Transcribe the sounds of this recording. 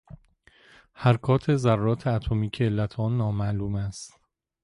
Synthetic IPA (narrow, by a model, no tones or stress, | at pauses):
hæɾkʰɒːt̪ʰe̞zærːɒːt̪ʰeæt̪ʰomiːcʰeːlːæt̪ʰɒːnːɒːmæʔluːmæst̪